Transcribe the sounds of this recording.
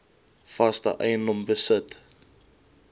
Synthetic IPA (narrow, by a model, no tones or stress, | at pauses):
fɐstə̰ʔɛjənːɔmbəsət